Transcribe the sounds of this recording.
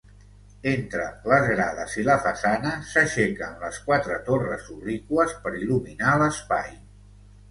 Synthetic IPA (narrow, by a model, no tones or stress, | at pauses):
ent̪ɾələzɣɾaðəziləfəsanəsəʃɛkəmləskwat̪ɾət̪orəzurikuəspəɾiluminaləspaj